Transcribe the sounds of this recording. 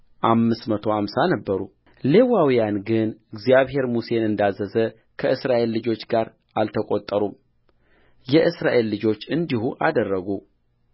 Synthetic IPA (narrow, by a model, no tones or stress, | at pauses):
ʔamːɨsmət̪ʰo̞amsanəbːəɾu | le̞wawijanɡɨnɨɡzjaβɦe̞ɾmuse̞nɨnd̪azːəzə | kʰəʔɨsɾaʔe̞lːɨd͡ʒo̞t͡ʃːɡaɾ | ʔalt̪ʰəkʼot̪ʼːəɾum | jɛʔɨsɾaʔe̞lːɨd͡ʒo̞t͡ʃːɨnd̪iɦuʔa̰d̪ərːəɡu